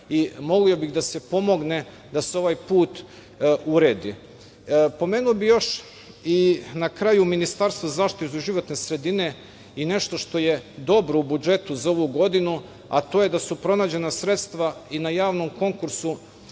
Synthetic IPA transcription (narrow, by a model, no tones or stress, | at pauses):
imo̞ɡlio̞biɣd̪ase̞po̞mo̞ɡne̞ | d̪aseo̞ʋajpuːt̪ | uɾeːd̪ḭ | po̞me̞ːnuobijo̞ʃ | inakɾaːjuminist̪aɾst̪ʋozazaːʃt̪it̪eiʒiʋo̞t̪nesɾe̞d̪ine̞ | ine̞ʃt̪o̞ʃt̪o̞je̞d̪o̞bɾoubud͡ʒe̞t̪uzao̞ʋuɡo̞d̪inu | at̪oje̞d̪asupɾo̞naːd͡ʑe̞nasɾe̞t̪st̪ʋainajaːʋnomko̞ŋkuɾsu